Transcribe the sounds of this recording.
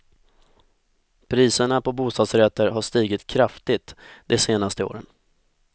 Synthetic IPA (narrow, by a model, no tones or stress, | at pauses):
pʰɾiːsəɳapɔbuːst̪ɑːd̪sɾɛt̪ːəɾɦaʂt̪iːɡɪt̪kʰɾaft̪ɪt̪d̪ɛseːnast̪əo̰ːɾən